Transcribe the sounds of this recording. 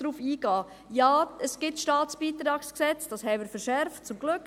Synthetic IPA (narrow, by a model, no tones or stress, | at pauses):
ɾuːfiːɡɑː | jɑːəsɡ̥ɪtʃtɑːt͡sb̥iːt̪ɾɑːksksɛt͡sd̥ɑːsɦɛɪmɪːɾfəɾʃɛɾft̚t͡sʊmɡ̥lʏk